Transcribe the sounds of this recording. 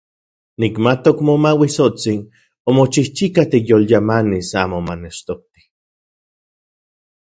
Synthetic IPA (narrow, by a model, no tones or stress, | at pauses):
nikmat̪okmomawisot͡sin | omot͡ʃiht͡ʃikat̪ijoljamanisaːmomaneʃt̪ok̚t̪i̥